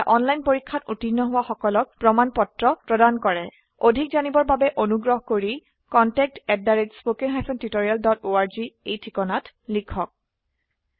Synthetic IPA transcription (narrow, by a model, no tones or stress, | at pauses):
aʔɔnlajnpoɹikʰːatutinːɔɦʊwaxɔkɔlɔk̚pɹɔmanpɔtɹɔpɹɔdankɔɹɛ | odʱik̚zanibɔɹbabɛʔonuɡɹɔɦkoɹi | kɔntɛk̚tɛddːaɹetspokeŋɦajpʰɔntitoɹialdɔtoaɹziejtʰikɔnatlikʰɔk̚